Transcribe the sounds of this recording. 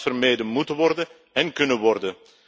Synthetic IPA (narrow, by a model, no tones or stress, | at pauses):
fərmejdənmutəʋɔrdə | ɛnkɵnəʋɔrdə